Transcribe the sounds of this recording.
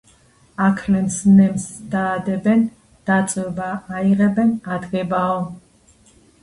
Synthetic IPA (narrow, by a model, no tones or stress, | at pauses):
akʰlɛmsnɛmsd̪aːd̪ɛbɛn | d̪̥at̪sʼwɛbaːiʁɛbɛnad̪ɡɛbaɔ